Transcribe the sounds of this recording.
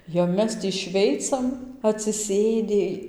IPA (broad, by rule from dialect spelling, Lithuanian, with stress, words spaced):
jɛʊ ˈmʲɛs tʲiː ˈʃʲʋʲɛɪt͡sɐm ɐtʲsʲɪˈsʲeːdʲɪ